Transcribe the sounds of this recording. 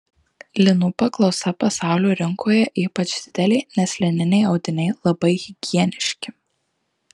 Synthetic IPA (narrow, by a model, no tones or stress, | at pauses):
lʲɪnʊpɐklˠɒʊsɐpɐsɑˑʊlʲuːɾʲɪŋkʰoːjɛʔiːpɐt͡ʃd̪ʲɪd̪ʲɛlʲɛɪnʲɛslʲɪnʲɪnʲɛɪɐʊd̪ʲɪnʲɛɪlˠɐbɐɪɣʲɪɡʲiɛnʲɪʃʲkʲɪ